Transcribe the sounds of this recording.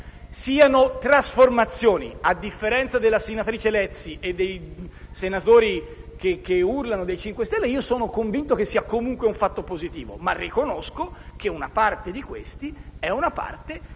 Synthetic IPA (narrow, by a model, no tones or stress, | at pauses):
siːanot̪ɾasformat̪sːjoːnḭad̪ːifːeɾɛnt̪sad̪elːasenat̪ɾiːt͡ʃelɛt̪sːiʔed̪ːejsenat̪oːɾi | k̟ekeurlanod̪ejt͡ʃiŋkwest̪ɛlːeiːosoːnokoɱvint̪ok̟esːiːakomuŋkweuɱfat̪ːopozit̪iːvo̰marːikonoskok̟euna̰part̪ed̪ikwḛst̪iɛunapa̰rt̪e